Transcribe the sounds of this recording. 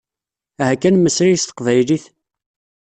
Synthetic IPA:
æhækːænməsɾijst̪ə̥qvæjliθ

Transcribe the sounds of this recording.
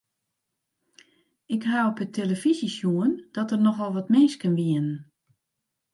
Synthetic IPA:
ɪkhawpətʰeləfizisjuənd̥ɔtərnɔxʋɔlˠʋɔtmɪnskənʋiənən

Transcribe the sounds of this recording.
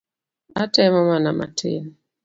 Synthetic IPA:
atɛmamanama̰tʰḛn

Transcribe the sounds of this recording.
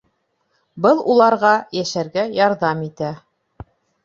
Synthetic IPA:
bɤlˠulˠɑɾʁɑjæʃæɾɡæjɑɾðɑmit̪æ

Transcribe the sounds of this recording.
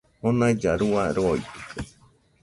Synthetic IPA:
honãid͡ʒaɾuaɾoit̪ɨ̥ka

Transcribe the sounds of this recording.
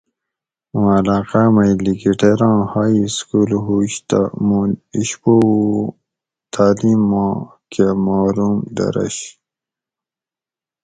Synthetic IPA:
mãlaːqamɐjliɡiʈeɾɑ̃ːhaːiskuːlɦuːɕt̪a̰muiɕpo | t̪ʰaːliːmːã | kʰemaːɾumd̪ɐ̰ɾɐ̰ɕ

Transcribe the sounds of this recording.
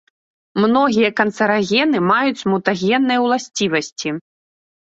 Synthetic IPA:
mnɔɣʲijɐkɐnt̪sɐɾaɣʲɛnɨmajut͡sʲmut̪aɣʲɛnːɐjwlˠasʲt͡sʲivɐsʲt͡sʲi

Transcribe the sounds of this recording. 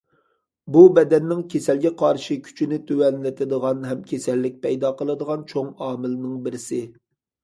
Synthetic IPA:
bubɛd̪ɛnːɪŋkʲʰesɛlɡʲɛqʰɑɾʃɨkʲʰy̥t͡ʃʰinɪt̪ʰøwɛnlɪt̪ʰɪd̪əʁɑnɦɛmkʲʰesɛlːɪk̚ʲpʰɛjd̪ɑqəlˠɨd̪əʁɑnt͡ʃʰoŋɑːmɪlnɪŋbɪɾɪsɪ

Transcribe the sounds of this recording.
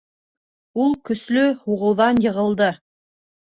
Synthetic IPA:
ulˠkɵ̆slɵhuʁɤ̆wðɑnjɤ̆ʁɤ̆lˠd̪ɤ

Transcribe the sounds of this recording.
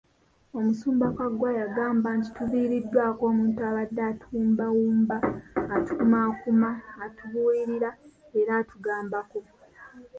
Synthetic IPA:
o̞musuːmbakwaɡwajaɡaːmbanti̥tuβiːɾidːwaːko̞ːmuːntuaβadːaːtuuːmbawuːmbaːtu̥kumaːkumaːtuβuiɾiɾa | e̞ɾaːtʰuɡaːmbako

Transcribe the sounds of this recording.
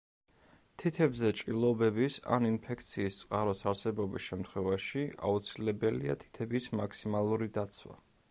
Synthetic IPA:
t̪ʰit̪ʰɛbzɛt͡ʃʼilˠɔbɛbisa̰ninpʰɛkʰt̪sʰiːst̪sʼqʼaɾɔsaɾsɛbɔbisʃɛmt̪ʰχwɛvaʃia̰ut̪sʰilɛbɛlia̰t̪ʰi̥t̪ʰɛbismakʰsimalˠuɾid̪at̪sʰwa̰

